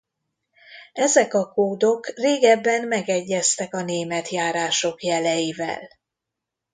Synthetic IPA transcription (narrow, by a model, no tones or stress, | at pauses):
ɛzɛkɒkoːd̪o̞kreːɡɛbːɛnmɛɡɛɟːɛst̪ɛkɒneːmɛt̪jaːɾaːʃo̞kjɛlɛjiːvɛ̰l